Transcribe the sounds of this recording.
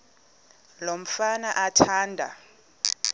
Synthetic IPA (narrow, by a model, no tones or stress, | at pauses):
lom̩fanaʔatʰaːndʱa̰